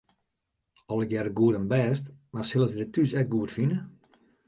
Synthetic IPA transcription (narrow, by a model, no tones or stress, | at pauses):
ɔlˠəkjɛrəɡuədənbɛːstmarsɪlˠəsədɪtysɛk̚ɡuətfinə